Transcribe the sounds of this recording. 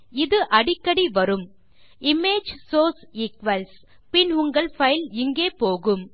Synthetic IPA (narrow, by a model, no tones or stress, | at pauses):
ɪðɯʔɐɽɪkːɐɽiʋɐɾɯm | ɪmeːd͡ʒsoːsiːkʋɐls | pɪnʊŋɡɐɭfɐɪlɪŋɡeːpoːɣɯm